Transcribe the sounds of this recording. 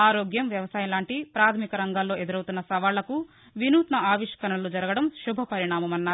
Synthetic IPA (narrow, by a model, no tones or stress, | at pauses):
aːɾoːɡjɐmʋjɐʋɐsaːjɐnlaːɳʈipɾaːt̪ʰɐmikɐɾɐŋɡaːlːo̞ːʔe̞d̪uɾɐwt̪unːɐsɐʋaːlːɐku | ʋinuːt̪nɐaːʋiʂkɐɾɐɐlud͡ʒɐɾɐɡɐɽɐmʃubʱɐpɐɾiɳaːmɐmɐnːaː